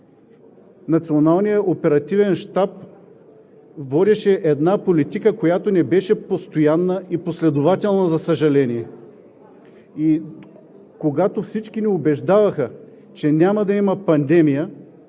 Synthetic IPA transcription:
nɐt̪sionalˠnijəʔopɛɾɐt̪ivɛnʃt̪ap̚ | vɔd̪ʲɛʃɛʔɛd̪napolit̪ikəkojat̪onɛbɛʃɛpost̪ojanːəʔiposlɛd̪ʊvat̪ʲɛlˠnɐzɐsɐʒɐlɛniɛ | i | koɡat̪ofsit͡ʃkiniʊbɛʒd̪avɐxə | t͡ʃɛnʲamɐd̪ɐimɐpɐnd̪ɛmijə

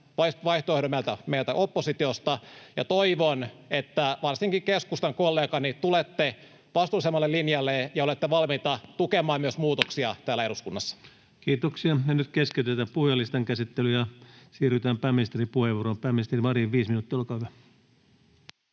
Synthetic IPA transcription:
ʋɑiʋɑiht̪oehɾomælt̪æmeilt̪æʔopːosit̪iost̪ɑjɑ̰t̪oiʋonet̪ːæʋɑrsiŋkikeskust̪ɑŋkolːeːkɑnit̪ulet̪ːe | ʋɑst̪ulːˑisemːɑlːelinjɑlːejɑolet̪ːeʋɑlmit̪ɑt̪ukemˑɑːmmyøsmuːt̪oksiɑt̪æːlːæe̞ɾuskunːɑsːɑ̥ | kiːt̪oksiɑjɑnyt̪kesket̪et̪æppuhjɑlːist̪ɑŋkæsit̪ːelyjɑsiːryt̪æːmpæːmist̪eripuheʋuorompæːmist̪eriɑriʋiːsminuːˑt̪ːiːolkɑhyʋæ

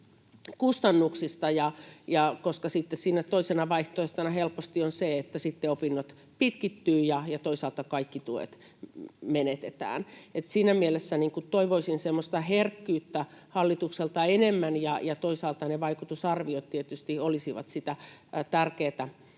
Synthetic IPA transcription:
kust̪ɑnːuksist̪ɑjɑjɑkoskɑsit̪ːessiːnæt̪oisenɑʋɑiht̪oeht̪ɑnɑhelpost̪ionseet̪ːæsit̪ːeopinːot̪ | pit̪kit̪ːyːjɑjɑt̪oisɑːlt̪ɑkɑikːit̪uḛt̪ | menet̪et̪æ̰ːnet̪siːnæmielesːæniːŋkutt̪oiʋoisinsemːost̪ɑherkːyːt̪ːæhɑlːit̪ukselt̪ɑenemːænjɑjɑt̪oisɑːlt̪ɑneʋɑikut̪usɑrʋiot̪t̪iet̪yst̪iolisiʋɑ̰t̪sit̪æt̪ærkeːt̪æ

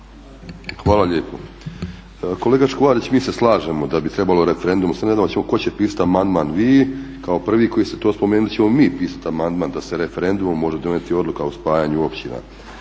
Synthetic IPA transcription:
xʋaːlaʎeːpʰo | ko̞leɡaʃkoʋaːd̪it͡ɕmiːseslˠaːʒemo̞d̪abit̪ɾe̞balo̞ɾefeɾe̞nd̪umsened̪amot͡ɕemoko̞t͡ɕepiːsḁt̪amand̪manʋiːkaopr̩ʋiːko̞jist̪et̪oːspo̞meːnult͡ɕe̞mo̞miːpiːsḁt̪amand̪maːnd̪aseɾe̞fe̞ɾe̞nd̪ummːo̞ʒed̪o̞net̪io̞d̪lˠukauspaːjaɲuopʃt͡ɕina̰

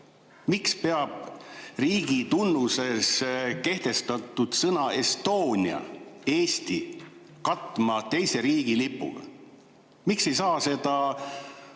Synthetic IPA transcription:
mikspe̞ɑb̥riːɡ̥it̪unːuse̞ske̞ht̪e̞st̪ɑt̪ːˑud̪̥sɤnɑe̞st̪o̞ːnʲiɑ̰e̞ːst̪i | kɑt̪ˑmɑt̪e̞jse̞ɾiːɡ̥ilipːˑṵl | mikse̞jsɑːse̞d̪̥ɑ

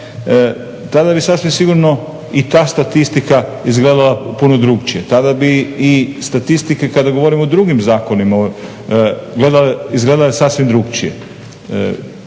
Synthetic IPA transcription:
t̪ad̪abisasʋimsiɡuɾno | it̪aːst̪at̪ist̪ikaizɡleːd̪alapunod̪ɾuɡt͡ʃijet̪ad̪abiːst̪at̪ist̪ikekad̪aɡo̞ʋoɾimod̪ɾuɡimzaːko̞nima | ɡleːd̪aleizɡled̪alesasʋimd̪ɾuɡt͡ʃijḛ

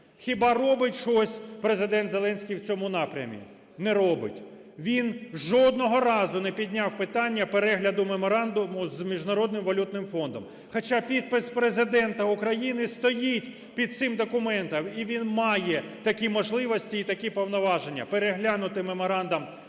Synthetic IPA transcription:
xʲɪbɑrɔbɪtʲʃɔsʲpɾezɪd̪ɛnt̪zelˠɛnʲsʲkʲijwt͡sʲɔmʊnɑpɾʲɐ̰mʲḭ | nɛɾɔbɪ̰tʲ | ʋʲinʒɔd̪̚nɔɦɔɾɑzʊnɛpʲid̪ʲnʲawpɪt̪ɑnʲːɐpeɾɛɦlʲɐd̪ʊmemɔɾɑnd̪ʊmʊzmʲiʒnɐɾɔd̪nɪmʋɐlʲut̪nɪmfɔnd̪ɔm | xɐt͡ʃɑpʲid̪̚pɪspɾezɪd̪ɛnt̪ɐʊkɾɐjinɪst̪ɔjitʲ | pʲid̪̚t̪sɪmd̪ɔkʊmɛnt̪ɐmiʋʲinmɑjɛt̪ɐkʲimɔʒlˠɪʋɔsʲtʲiːt̪ɐkʲipɔwnɔʋɑʒenʲːɐ̰peɾeɦlʲanʊt̪ɪmemɔɾɑnd̪ɐm

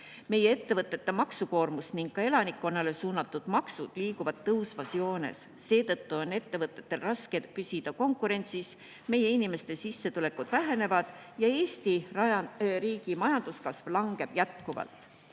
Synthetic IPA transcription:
me̞jee̞t̪ːe̞vɤt̪ːˑe̞t̪ːe̞mɑksuko̞ːrmusniŋɡ̥kɑe̞lɑnikːˑo̞nːɑle̞suːnɑt̪ːˑud̪̥mɑksud̪̥liːkuvɑd̪̥̚t̪ːɤwsvɑsio̞ːne̞̰sːe̞ːt̪ɤt̪ːuo̞ne̞t̪ːe̞vɤt̪ːˑe̞t̪ːe̞lrɑske̞d̪̚pysid̪̥ɑko̞ŋkˑuɾe̞nʲt̪sis | me̞jːe̞inime̞st̪e̞sisːe̞t̪ule̞kud̪̥væɦe̞ne̞vɑd̪̥jɑe̞ːst̪iɑɑriːɡ̥imɑjɑnd̪̥uskɑsvlɑŋɡe̞b̥jæt̪kuvɑ̰lt̪ˑ

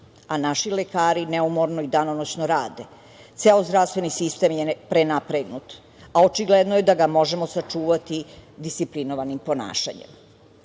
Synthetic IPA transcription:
anaʃilekaːɾineumo̞ɾnoid̪anonot͡ɕnoɾaːd̪e̞ | t̪seozd̪ɾafst̪ʋe̞nisist̪e̞mjepɾenapɾeɡnut̪ | ao̞t͡ʃiɡled̪nojed̪aɡamo̞ʒemo̞sat͡ʂuːʋat̪id̪ist̪siplinoʋanimpo̞na̰ːʃa̰ɲḛm

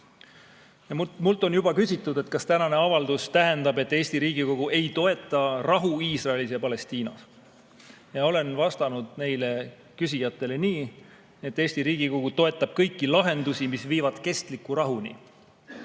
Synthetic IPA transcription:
jɑmult̪ːˑo̞njub̥ɑkysʲit̪ːˑud̪̥e̞t̪kɑst̪ænɑne̞ɑvɑld̪ust̪æɦe̞nd̪ɑbe̞t̪ːˑe̞ːsʲt̪iɾiːɡ̥iko̞ɡ̥uʔe̞jt̪o̞e̞t̪ːˑɑrɑɦuiːsrɑelisjɑpɑle̞st̪iːnɑ̰s | jɑo̞le̞nvɑst̪ɑnud̪̥̚ne̞jle̞ | kysʲijɑt̪ːˑe̞le̞niː | et̪ːe̞ːsʲt̪iɾiːɡ̥iko̞ɡ̥ut̪o̞e̞t̪ːˑɑb̥̚kɤ̞jkːilɑɦe̞nd̪̥usimisviːvɑd̪̥ke̞st̪likːˑuɾɑɦunʲḭ

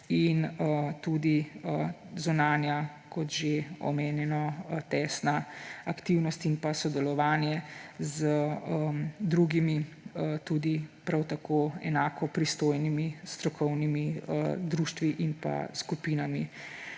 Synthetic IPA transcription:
inət̪ud̪iəzunaːnja | kɔt̪ʒeɔ̰meːnjɛnɔt̪ɛːsnaakt̪iwnɔst̪inpasɔd̪ɛlɔʋaːnjɛzəəmd̪ɾuɡimi | ət̪uːd̪ipɾawt̪akoɛ̰naːkɔpɾist̪oːjnimist̪ɾɔkʰɔwnimiəd̪ɾuːʃt̪ʋiʔinpa̰skupiːnamḭ

